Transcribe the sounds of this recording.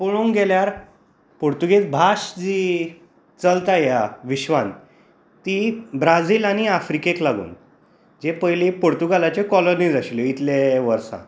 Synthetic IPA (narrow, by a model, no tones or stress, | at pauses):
poɭuŋɡɛljaɾ | poɾt̪uɡet͡sbʱaɕd͡ʑiː | t͡səlt̪ajaʋiɕʋãn | t̪ibɾad͡ziːlaɽ̃iafɾikeklaɡṵːn | d͡ʑepəjlipoɾt̪uɡalat͡ɕekɔloniːd͡zaɕileit̪leʋəɾsã̰